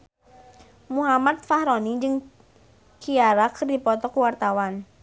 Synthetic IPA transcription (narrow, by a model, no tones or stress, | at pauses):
muɦamat̪̚fahɾɔnid͡ʒɨŋ | kiaɾakərdipɔt̪ɔkuwart̪awan